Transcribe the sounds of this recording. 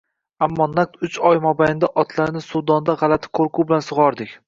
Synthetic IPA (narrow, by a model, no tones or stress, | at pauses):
amːɒnak̚t̪ʊt͡ʃɒjmɒbajɪnd̪aʔɒt̪ʰlaɾnɪsʊd̪ɒnd̪aʁɑlat̪ʰɪ̥qʰoɾqʰʊbɪlansʊʁɒɾd̪ɪkʲ